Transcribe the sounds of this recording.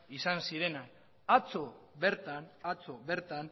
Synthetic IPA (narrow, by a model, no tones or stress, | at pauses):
isansiɾe̞nan | at͡so̞βe̞ɾt̪anat͡so̞βe̞ɾt̪an